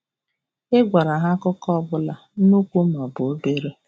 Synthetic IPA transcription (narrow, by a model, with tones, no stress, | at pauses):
e˦ɡʷa˨ɾa˨ɦa˦kʊ˦kɔ˦bʊ˦la˨nu˦kʷu˦ma˨bʊ˨o˦be˦ɾe˦